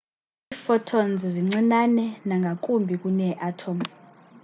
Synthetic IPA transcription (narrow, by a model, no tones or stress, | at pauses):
iːfɔtʰɔnziziŋ͡ǀinanɛnaŋɡʱak̬ʼumbʱik̬ʼunɛʔatʰɔm